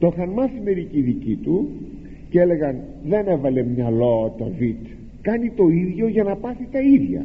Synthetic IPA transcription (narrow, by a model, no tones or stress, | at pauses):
t̪oxɐnmɐsime̞ɾiciðicit̪u | cele̞ɣɐn | ðe̞ne̞vɐle̞mɲɐloɐt̪o̰vit̪ | kɐnit̪o̞iðʝo̞ʝɐnɐpɐθit̪ɐiðʝɐ̰